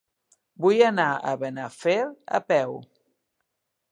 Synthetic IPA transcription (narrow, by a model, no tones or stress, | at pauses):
bujanaə̰βenafeɾa̰pɛw